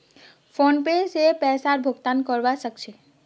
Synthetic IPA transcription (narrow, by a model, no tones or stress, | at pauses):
fonpesepɛːsaɾbʱʊɡt̪ankɔɾʋaʃəkʃʰe